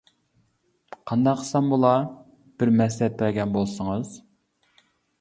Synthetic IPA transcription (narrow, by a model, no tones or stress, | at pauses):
qʰɑnd̪ɑqʰːə̥sɑmbulˠɑ | b̥ɪɾmɛslɛt̪̚bæɾɡʲɛnbolˠsəŋɨz̥